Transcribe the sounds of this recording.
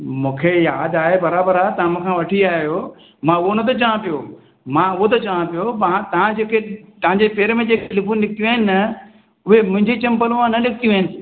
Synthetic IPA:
mũːkʰejaːd̪aːɦebɐɾaːbəɾaːt̪ɐʋ̤ãmãkʰãːʋɐʈʰiaːɦijo | mãʊɦonɐt̪̬ɐt͡ɕɐʋãpijo | mãʊɦot̪̬ɐt͡ɕaʋãpijomãt̪ɐ̤ãd͡ʑeːkʰet̪ɐʋ̤ɦãɲd͡ʑepeːɾmẽd͡ʑeːkʰeɪlɪpʰunlɪk̚t̪ijuaːɦɪnɪ̆ɐ | ʊɦemʊ̃ɦɪ̃ɲd͡ʑit͡ɕɐ̃mpəlʋãnɐlɪkʰɪt̪ijũɦɪnɪ̆

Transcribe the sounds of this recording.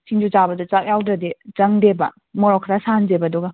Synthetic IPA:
siŋd͡ʒut͡ʃabɐdut͡ʃak̚jawdɾɐdezɐŋdebɐ̰ | mɔɾɔkʰːɾasanzebaduɡɐ

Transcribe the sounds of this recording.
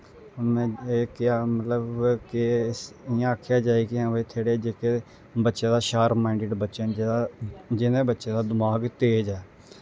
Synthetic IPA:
mɛ̃ːeːkɪaːmət̪ləbkɪsɪjãːakʰːjaːd͡ʒaːiːkɪãːbeːt̪ʰeːɽeːd͡ʒeːke | bətːʃẽːd̪aːʃaːɾmaɪɳɖɪɖbətːʃənad͡ʒɪnẽːbətːʃẽːd̪aːd̪əmaːɡt̪eːd͡ʒɛː

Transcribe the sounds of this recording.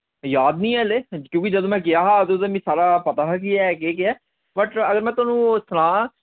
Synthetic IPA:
jaːd̪nĩːɛːleːkjõːkɪd͡ʒəd̪õːmɛ̃ːk̬ɪaːɦaːt̪ot̪ẽːmĩːsaːɾaːpət̪aːɦk̬iɛːk̬eːk̬ɪɛː | bəʈəɡəɾmɛ̃ːt̪ʊaːnũːsəlãː

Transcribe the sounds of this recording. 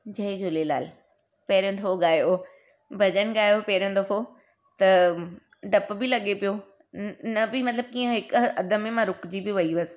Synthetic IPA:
d͡ʑɐɦid͡ʑʊlela̰ːl | pɐɦɪɾijõd̪ʰʱɐoɠaːjo | bʱɐʄənɪ̆ɠaːjopɐɦɾjõd̪ɐfo | t̪ɐ | ɖɐpbɪlɐɠepijo | nɐbɪmɐt̪ləb̚kiːə̃ɦɪkɐd̪ʱə̆mẽmãɾʊkd͡ʑibɪʋɐiʋɐsɪ̥

